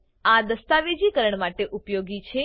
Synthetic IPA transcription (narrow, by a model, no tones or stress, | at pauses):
ad̪əst̪aʋed͡ʒikəɾəɳmaʈeʔupjoɡit͡ʃʰe